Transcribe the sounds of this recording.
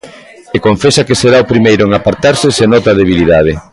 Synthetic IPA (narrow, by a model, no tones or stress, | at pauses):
ekoɱfesakeseɾaopɾimejɾʊeŋapaɾt̪aɾsesenot̪ɐðeβ̞iliðað̞e